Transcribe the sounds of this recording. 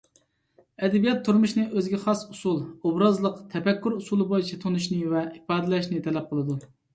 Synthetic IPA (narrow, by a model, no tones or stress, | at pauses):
ɛd̪ɛbijɛt̪ʰːuɾmuʃnɨʔøzɡʲɛχɑsusulˠobɾɑzlˠəqt̪ʰɛpɛkʲːyɾusulˠɨbojit͡ʃʰɛt̪ʰonuʃnɨvɛipɑːd̪ɨlɛʃnɨt̪ʰɛlɛp̚qʰəlˠɨd̪u